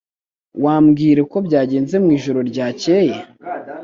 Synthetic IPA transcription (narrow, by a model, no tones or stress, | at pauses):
waːmɡiːɾe̞ko̞bɟaːɟe̞ːnze̞mŋiːʒoɾo̞ɾɟaːce̞je